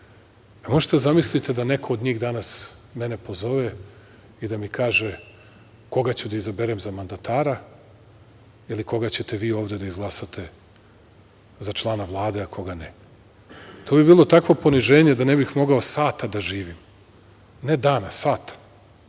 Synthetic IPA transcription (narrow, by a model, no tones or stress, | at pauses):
amo̞ʒe̥t̪ed̪azamislit̪e̞d̪anekʰo̞ːd̪ɲiːɣd̪anasmɛne̞po̞zo̞ʋe | id̪amikaːʒe | ko̞ɡat͡ɕud̪aizabeɾemzamand̪at̪aːɾa | iliko̞ɡat͡ɕe̞t̪e̞ʋiːo̞ːvd̪e̞d̪aizɡlˠasat̪ʰe | zat͡ʃlˠaːnaʋlˠaːd̪e̞akʰo̞ɡane | t̪ʰoːbibiːlˠo̞t̪akʋo̞po̞niʒe̞ːɲed̪anebixmo̞ɡaosaːt̪ad̪aʒiːʋim | ne̞d̪aːnasaːt̪ḁ